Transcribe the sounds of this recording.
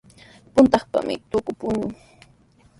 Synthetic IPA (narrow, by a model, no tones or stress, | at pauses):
pʊnt̪ɑχpa̰mɪ̰t̪ʊkʊpʊɲʊŋ